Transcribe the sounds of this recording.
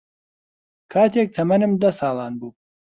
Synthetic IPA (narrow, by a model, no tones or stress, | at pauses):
kʰaːt̪ʰek̚t̪ʰɐmɐnɨmd̪ɐsɑːlˠɑːnbuː